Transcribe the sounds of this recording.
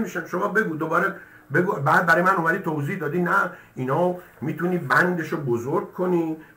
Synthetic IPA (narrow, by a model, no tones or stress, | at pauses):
miʃæmʃomɒːbe̞ɡuːd̪obɒːɾe | beɡubæːd̪̚bæɾɒːjemænomæd̪iːt̪ʰowziːhd̪ɒːd̪iːnæinhɒː | miːt̪ʰuniːbænd̪e̞ʃobozoɾɡ̚kʰːoniː